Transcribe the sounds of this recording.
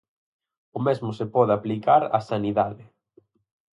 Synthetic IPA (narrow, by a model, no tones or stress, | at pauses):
ʊmezmʊsepɔðɪaplikaɾa̰saniðaðɪ